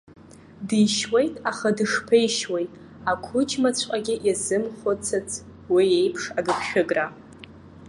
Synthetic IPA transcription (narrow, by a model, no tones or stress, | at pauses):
dɨjʃwejtʼaχadɨʂpʰejʃwejtʼ | akʷʰʊt͡ʃʰmat͡ɕʷʰʼqʼaɡʲɪʔizɨmχot͡sʰat͡sʰʼ | wiejpʰʂaɡɨpʰʃᶣɪɡra